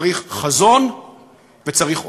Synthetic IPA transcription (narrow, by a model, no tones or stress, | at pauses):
ʁiχχazo̞n | vet͡saʁiχ